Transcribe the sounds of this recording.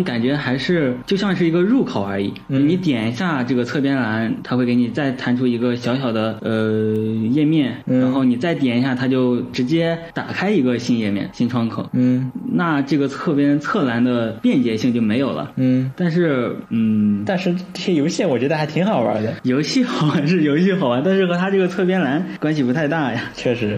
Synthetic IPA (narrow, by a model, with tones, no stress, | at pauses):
ka˨˩nt͡ɕɥɛ˧˥xa˧˥ɪʂɻ̩˥˩t͡ɕjo˥˧ʊɕjɑ˥˧ŋʂɻ̩˥˩i˧˥ɡə˧ɻu˥˩kʰo˨˩ʊə˞˧˥ḭ˨˩˦ni˧˥t̪jɛ˨˩ni˧˥ɕja˥˧ʈ͡ʂɤ˥˩ɡə˩t͡sʰɤ˥˩pjɛ˥nla˧˥nt̪ʰa˥xwe˥˧ɪke˧˥ɪni˨˩t͡sa˥˩ɪt̪ʰa˧˥nʈ͡ʂʰu˥i˧˥ɡə˧ɕjɑ˧˥ʊɕjɑ˨˩ʊd̪ə˦ə˧jɛ˥˧mjɛ˥˩nɻa˧˥nxo˥˩ʊni˨˩t͡sa˥˩ɪt̪jɛ˨˩n˥ɕja˥˩t̪ʰa˥t͡ɕjo˥˩ʊʈ͡ʂɻ̩˧˥t͡ɕjɛ˥t̪a̰˨˩kʰa˥ɪi˧˥ɡə˧ɕi˥˧njɛ˥˩mjɛ̰˥˩nɕi˥nʈ͡ʂʰwɑ˥ŋkʰɤ̰˨˩˦na˥˧ʈ͡ʂɤ˥˩ɡə˩t͡sʰɤ˥˩pjɛ˥nt͡sʰɤ˥˩la˧˥nd̪ə˧pjɛ˥˩nt͡ɕjɛ˧˥ɕi˥˧ŋt͡ɕjo˥˩ʊme˧˥ɪjo˨˩ʊlə̰˦˥˩t̪a˥˧nʂɻ̩˥˩n̩˥˩t̪a˥˧nʂɻ̩˥˧ʈ͡ʂɤ˥˩ɕjɛ˥jo˧˥ʊɕjɛ˥˩nwɔ˨˩t͡ɕɥɛ˧˥d̪ə˧xa˧˥ɪt̪ʰi˧˥ŋxɑ˨˩ʊə̰˞˧˥d̪ə˧jo˧˥ʊɕi˥˩xɑ˨˩ʊwa˧˥nʂɻ̩˥˩jo˧˥ʊɕi˥˩xɑ˨˩ʊwa˧˥nt̪a˥˧nʂɻ̩˥˩xɤ˧˥t̪ʰa˥ʈ͡ʂɤ˥˩ɡə˩t͡sʰɤ˥˩pjɛ˥nla˧˥nkwa˥nɕ̬i˨˩pu˧˥t̪ʰa˥˧ɪt̪a˥˩ja˩t͡ɕʰɥɛ˥˩ʂɻ̩˧˥